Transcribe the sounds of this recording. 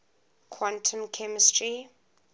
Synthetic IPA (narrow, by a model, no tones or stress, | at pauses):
kʰwãntʰə̃mkʰɛmɪstɹi